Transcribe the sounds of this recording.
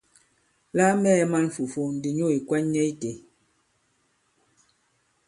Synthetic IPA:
la˦mɛː˦ɛ˦ma˦nfu˨fo˦n̩˨di˨ɲo˦˨i˨kwɛ˦nɲɛ˦i˦te˨

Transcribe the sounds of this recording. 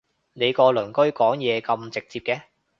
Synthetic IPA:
ne˨˧jkɔː˧lɵ˨˩nkɵ˥ɥkɔː˨˥ŋjɛː˨˧kɐ˧mt͡sɪ˨k̚t͡siː˧p̚kɛː˧

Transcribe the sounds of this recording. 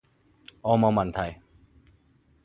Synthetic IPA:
ʔɔː˧ma˧wma˧˨nt̪ʰa˧˩j

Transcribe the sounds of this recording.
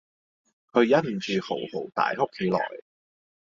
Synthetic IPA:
kʰɵ˨˧ɥjɐ˦˥t̚m̩˨˩t͡ʃyː˨ho˨˩who˨˩wt̪a̰ː˨jo˥kʰːe˨˧jlɔ̰ː˨˩j

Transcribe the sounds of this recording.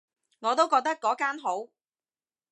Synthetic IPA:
ŋɔː˨˧t̪o˥wkɔː˧k̚t̪ɐ˥kːɔː˨˥kaː˥nɦo˨˥w

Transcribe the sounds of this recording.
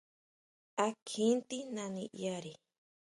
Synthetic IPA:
a˧kʰĩ˦nt̪i˦nã˧nḭ̃˧ʔa˦ɾi˨

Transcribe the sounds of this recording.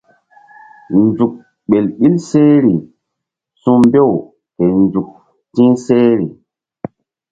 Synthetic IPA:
nd͡ʒu˨k̚ | ɓe˨lɓi˦lse˦ɾi˨ | sũ˦mbe˦˨w | ke˨nd͡ʒu˨k̚ | tĩ˦se˦ɾi˨

